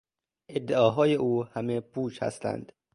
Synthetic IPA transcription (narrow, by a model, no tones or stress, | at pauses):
ʔe̞d̪ːeɒːɦɒːje̞ʔuːhæmebuːʃhæ̰st̪æ̰nd̪̥